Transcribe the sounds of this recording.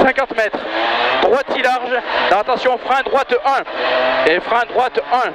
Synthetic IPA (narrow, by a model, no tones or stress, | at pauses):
sɛ̃kɑ̃t̪mɛt̪χd̪̥ʁwat̪ilaʁʒd̪̥ɑ̃at̪ɑ̃sjɔ̃ɔfχaɛ̃d̪ʁwat̪ɛ̃efʁãɛ̃d̪ʁwat̪ɛ̃